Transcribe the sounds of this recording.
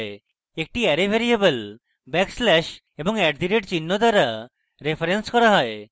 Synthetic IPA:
e | ek̚ʈiɛɾebʱeɾiebəl | bɛkslɛʃ | ebɔŋɛʈd̪iɾeʈt͡ɕinːod̪aɾa | ɾepʰaɾenskɔɾaɦɔe

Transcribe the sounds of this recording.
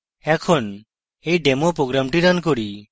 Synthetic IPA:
ɛkʰon | ejɖemopɾoɡɾamʈiɾank̬oɾi

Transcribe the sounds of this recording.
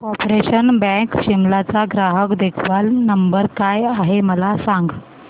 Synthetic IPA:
ɔpɾeɕənbɛ̃kɕimlat͡saɡɾaɦəkd̪ekʰʋalnəmbəɾkajaɦeməlasaŋɡ

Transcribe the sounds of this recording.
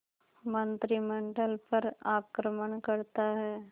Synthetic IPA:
mɐnt̪ɾimɐɳɖɐlpɐɾaːkɾɐmɐnkɐɽɯt̪ːaːɐ

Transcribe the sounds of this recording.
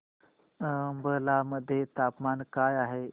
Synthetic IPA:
bəlaːməd̪ʱjet̪aːpmaːnkaːjaːɦeː

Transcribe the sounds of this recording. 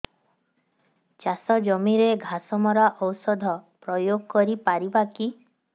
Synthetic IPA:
t͡ʃasɔd͡ʒɔmiɾeɡʱasɔmɔɾaʔɔwsɔd̪ʱɔpɾɔjoɡɔkɔɾipaɾibaki

